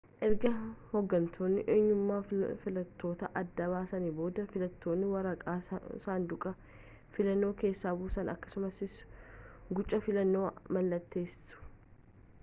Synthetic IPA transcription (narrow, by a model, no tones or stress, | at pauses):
ʔɛɾɡɐhɔɡːɐnt̪ʰo̞ːnːɪ̰ʔeːɲːʊmːaːfɪlɐt̪ʰːo̞ːt̪ɐʔɐd̪ːɐβaːsɐnibo̞ːd̪ɐfɪlɐt̪ʰːo̞ːnːɪwɐɾɐkʼaːsaːnd̪ʊkʼɐ | fɪlɐnːo̞ːke̞ːsːaːbuːsɐnɐ̰kːɐ̥sʊmɐsɪs | ɡʊt͡ʃʼːɐfɪlɐnːo̞ːmɐlːɐt̪ːe̞ːsʊ̥